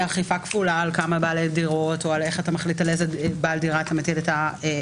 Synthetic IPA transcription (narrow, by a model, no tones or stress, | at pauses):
aχifakfulaːlkamabaːlediʁo̞toaleχatamaχlitalezebaːldiʁaːt̪ametiletae